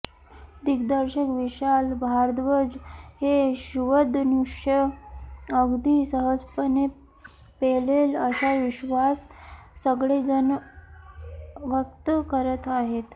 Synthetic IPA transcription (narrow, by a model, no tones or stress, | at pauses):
d̪ikd̪əɾɕəkʋiɕalbʱaɾd̪ʋəd͡zheɕuʋəd̪nuʂʰə | əɡd̪iːsəɦəd͡zpəne | peleləɕaʋiɕʋasːəɡɭed͡zən | ʋək̚t̪əkəɾət̪aɦet̪